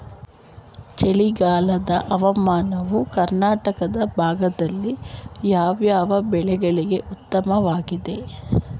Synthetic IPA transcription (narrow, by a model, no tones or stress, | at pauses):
t͡ʃeɭiɡaːlɐd̪ɐʔɐʋɐmaːnɐʋukɐɾnaːʈɐkɐd̪ɐbʱaːɡɐd̪ɐlːijaːʋjaːʋɐbɛɭɛɡɐɭiɡe̞ʔut̪ːɐmɐʋaːɡid̪e̞